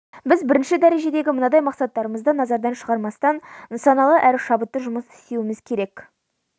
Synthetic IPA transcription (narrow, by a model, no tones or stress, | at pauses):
bɪzbɪɾɪnʃɪd̪æɾeʒe̞d̪e̞ɡʲɪmənɑd̪ɑjmɑqsɑt̪ːɑɾəməzd̪ənɑzɑɾd̪ɑnʃəʁɑɾmɑst̪ɑnnsɑnɑlˠəʔæɾʃɑbət̪ːəʒʊməsɪ̥st̪ewɪmɪzkʲʰe̞ɾe̞k